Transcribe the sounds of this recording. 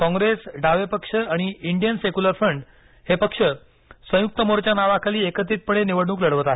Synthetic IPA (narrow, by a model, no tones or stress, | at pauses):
kɔ̃ŋɡɾesɖʱaʋepəkʂəaɽ̃iiɳɖijənsekuləɾfɾəɳɖ | hepəkʂə | sə̃juk̚t̪əmoɾt͡ɕjanaʋakʰaliːekət̪iːt̪̚pəɽ̃eniʋəɽɳ̃uːkləɽʋt̪ae